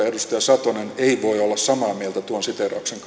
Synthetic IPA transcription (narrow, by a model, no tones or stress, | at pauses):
edust̪ɑjɑsɑt̪oneneiʋoiolːɑssɑmɑːmielt̪æt̪uonsit̪erɑ̰ukseŋk